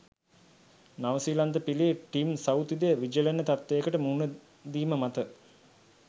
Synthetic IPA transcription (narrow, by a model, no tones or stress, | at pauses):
naʋəsiːland̪əpilieʈimsawt̪id̪ejəʋid͡ʒəlenːət̪at̪ʋejəkəʈəmuːnə | d̪iːməmat̪ə